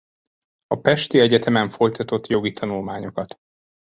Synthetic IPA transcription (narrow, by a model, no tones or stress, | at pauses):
ɒpɛʃt̪iɛɟɛt̪ɛmɛɱfo̞jt̪ɒt̪o̞t̪ːjo̞ɡit̪ʰɒnulmaːɲo̞kɒt̪